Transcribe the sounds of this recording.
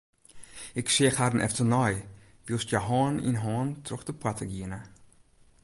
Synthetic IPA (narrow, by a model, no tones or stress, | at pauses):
ɪksiəxhadənʔɛ̰ftənɔj | ʋilˠstjəɦɔːnḭnɦɔːntrɔxdəpwatəɡiənə